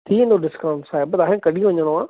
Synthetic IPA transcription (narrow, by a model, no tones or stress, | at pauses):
t̪ʰiːɪ̃nd̪oɖɪskaʊ̃ɳʈsaːebɐt̪aːɦɪ̃kɐɗij̃ʋɐɲəɽ̃oãː